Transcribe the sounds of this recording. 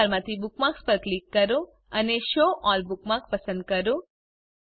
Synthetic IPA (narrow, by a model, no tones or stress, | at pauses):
ɾmãt̪ʰibukmãkspəɾklikːəɾõ | əneʃoʔɔlbukmãkpəsə̃nd̪̚kəɾõ